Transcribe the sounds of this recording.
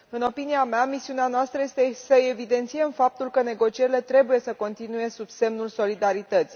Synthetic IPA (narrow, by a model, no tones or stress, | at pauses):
ɨno̞piniameamisiuneanoast̪ɾəje̞st̪esəe̞vid̪e̞nt̪sijemfap̚t̪ulkəne̞ɡo̞t͡ʃie̞ɾile̞t̪ɾe̞buje̞səko̞nt̪inuje̞sub̥se̞mnulso̞lid̪aɾit̪ət̪si